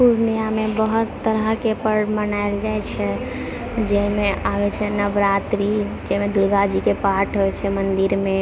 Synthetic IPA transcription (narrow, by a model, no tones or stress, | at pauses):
puɾnijamebəɦut̪ːəɾəɦkepəɾmənaeld͡ʒaɛt͡ʃʰɛ | d͡ʒɛɦmeʔabɛt͡ʃʰɛnəbɾat̪ɾi | d͡ʒɛmed̪uɾɡad͡ʒikepaʈʰɦoɛt͡ʃʰɛmənd̪iɾme